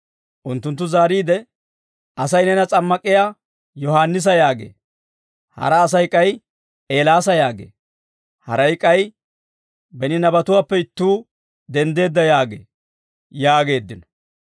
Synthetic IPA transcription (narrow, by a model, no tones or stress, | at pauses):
ʔʊnt̪ːʊnt̪ːʊzaːɾiːd̪ɛ | ɐsɐjnɛnɐt͡sʼɐmːɐkʼːɪja | jɔɦaːnːɪs̬ɐjaːɡḛː | hɐ̰ɾɐːs̬ɐjkʼːɐj | ʔeːlaːs̬ɐjaːɡḛː | hɐ̰ɾɐjkʼːɐj | bɛnɪnɐbɐt̪ʊwaːpːɛɪt̪ːuː | d̪ɛnd̪e̞ːd̪ːɐjaːɡḛː | jaːɡe̞ːd̪ːɪnɐ̥